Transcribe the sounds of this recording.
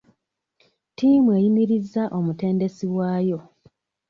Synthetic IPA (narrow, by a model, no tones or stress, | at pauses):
tiːmwe̞jimiɾizːaʔo̞mute̞ːnde̞siwaːjo̞